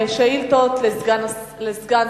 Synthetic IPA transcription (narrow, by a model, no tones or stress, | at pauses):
eʃailt̪ot̪leɡanlezɡan